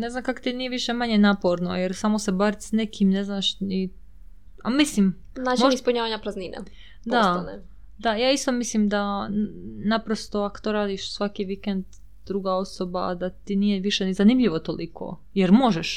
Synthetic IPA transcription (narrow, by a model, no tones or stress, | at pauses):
nezamkakot̪inijeʋiʃemaɲenaːpoɾnojeɾsamosebaɾit̪snekʰimneznaʃni | amislim | naːt͡ʃmoeispuɲaːʋaɲapɾazniːnḛ | d̪asane | d̪ajaːist̪o̞mislimd̪a | napɾost̪oako̥t̪oɾaːd̪iʃsʋakiʋikend̪ | d̪ɾuɡao̞sobad̪at̪inijeʋiʃenizanimʎiʋot̪olikʰo̰ | jeɾmo̞ʒeʃ